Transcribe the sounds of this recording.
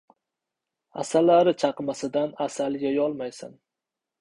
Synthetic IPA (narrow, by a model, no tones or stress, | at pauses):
a̰salːaɾɪt͡ʃʰɑqmasɪd̪anasalɡʲajɒlˠmajsa̰n